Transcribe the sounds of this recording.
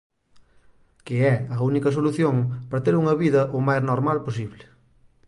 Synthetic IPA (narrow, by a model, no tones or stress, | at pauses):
kɪɛɐunikɐsoluθjoŋpɐɾɐt̪eɾuŋɐβiðɐʔomajznoɾmalpos̬iβlɪ